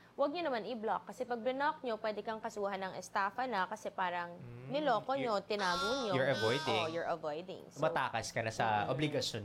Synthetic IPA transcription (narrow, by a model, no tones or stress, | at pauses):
wɐɡ̚ɲonɐmanɪblokːɐsɛpɐɡ̚bɪnok̚ɲo̞pwɛːd̪ɛkɐŋkɐsuːɦɐnɐŋʔɛst̪aːfɐnɐkɐsɛpaːɾɐŋnɪloːkoɲot̪ɪnaːɡoŋɲojɔɹɐvojd̪ɛjɔɹʔɐvojd̪ɪ̰ŋmɐt̪aːkɐskɐnɐsɐʔoblɪɡɐson